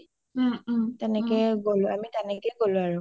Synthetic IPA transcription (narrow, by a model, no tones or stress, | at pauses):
tɛnɛkɛɡolʊ̃amitɛnɛkɛɡolʊ̃aɹʊ